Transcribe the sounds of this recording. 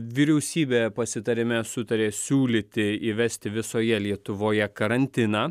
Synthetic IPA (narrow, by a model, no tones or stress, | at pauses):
ʋʲiːɾʲɛʊsʲiːbʲeːpɐsʲɪt̪ɐɾʲɪmʲɛsʊt̪ɐɾʲeːsʲuːlʲit̪ʲɪiʋʲɛsʲt̪ʲɪʋʲɪsoːjɛlʲiɛt̪ʊʋoːjɛkɐɾɐnʲt̪ʲɪnɑː